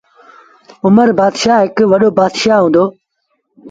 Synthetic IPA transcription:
ʊməɾbaːd̪ʃaːɦɪkʋɐɗoːbaːd̪ʃaːɦũːnd̪oː

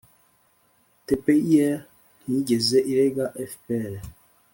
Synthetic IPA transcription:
tepeiɛ | niɟezeʔiɾeɡaʔɛfpɛɾɛ

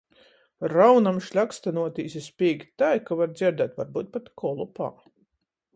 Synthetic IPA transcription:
ɾawnamʃlʲakst̪anuɔt̪iːsʲispʲiːɡt̪ajkavaɾd̪zʲiɾd̪at̪vaɾbuːt̪̚pat̪kʰɔlˠupa̰ː

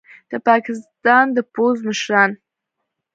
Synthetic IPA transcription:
d̪̥əpɑkɪst̪ɑnd̪əpozməʃɾɑn

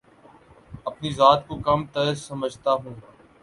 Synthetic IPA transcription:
ɐpnizaːt̪̚kokɐmt̪əsəməd͡ʒʱt̪aɦũː

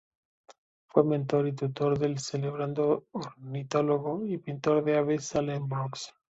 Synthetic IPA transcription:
fwemẽnt̪o̞ɾit̪ut̪o̞ɾðe̞lseleβ̞ɾand̪oːɾnit̪o̞loɣoipint̪o̞ɾðeaβesalemboks

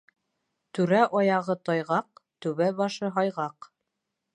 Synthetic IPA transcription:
t̪ʉɾæʔɒjɑʁɤt̪ɒjʁɑq̚t̪ʉβæbɑʃɤɦɑjʁɑq

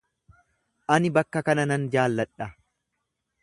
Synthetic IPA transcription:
ʔɐnɪbɐkːɐkɐnɐnɐnd͡ʒaːlːɐᶑɐ

